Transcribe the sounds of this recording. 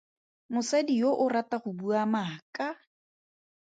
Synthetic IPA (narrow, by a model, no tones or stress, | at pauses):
mʊsadijoʔʊrataχʊbuamaːkʼa